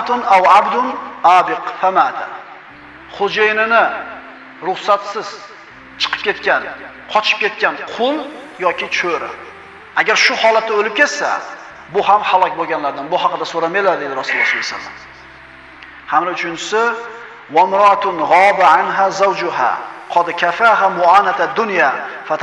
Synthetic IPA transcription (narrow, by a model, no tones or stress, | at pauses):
t̪ʊnawabd̪ʊnabɪqfamad̪a̰ | χod͡ʒejnɪnɪ | ɾʊχsat̪sɪz̥ | t͡ʃʰɨ̥qʰɨ̥p̚kʲʰe̞t̪kʲan | qʰɒt͡ʃʰɪ̥p̚kʲe̞t̪kʲanqʰʊlˠjɒkʲɪt͡ʃʰoɾa̰ | aɡʲaɾʃʊhɒlat̪ːaolɪp̚kʲʰet̪sa̰ | bʊɦamhalˠɒkʲboɡʲanlaɾd̪anbʊhɑqɨd̪asoɾamajlaɾd̪ejd̪ɪɾasɪlasɪasa̰lma̰n | hamlaʊt͡ʃʰʊnt͡ʃʰɪ̥sɪ | wamɾʊʔat̪ʰʊnʁɑbaʕanɦazawd͡ʒʊɦa̰qʰɒd̪ɪkʲʰafaɦamʊanat̪ʰad̪ːʊnjafat̪ʰ